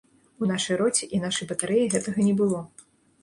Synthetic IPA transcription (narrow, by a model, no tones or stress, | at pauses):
unaʂɐjɾɔt͡sʲiʔinaʂɐjbɐt̪aɾɛjiɣɛt̪ɐɣɐnʲɛbɨlˠɔ